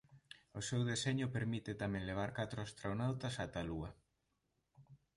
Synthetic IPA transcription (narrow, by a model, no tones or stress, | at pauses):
osewðeseɲʊpeɾmit̪et̪amɛ̃ŋleβ̞aɾkat̪ɾoast̪ɾonawt̪ɐsat̪aluɐ